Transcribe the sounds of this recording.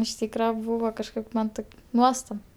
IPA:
ɪʃ ˈtʲiːkrɐ ˈbuːʋɐ kɐʃˈkɐɪp ˈmɐn tɐɪp ˈnuɔstɐp

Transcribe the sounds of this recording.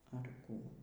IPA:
ɐr ˈkuː

